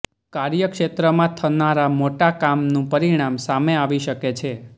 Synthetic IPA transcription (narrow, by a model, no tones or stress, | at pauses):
kaɾjəkʃet̪ɾəmãt̪ʰənaɾamoʈakamnũpəɾiɽ̃amsameaʋiʃəket͡ʃʰe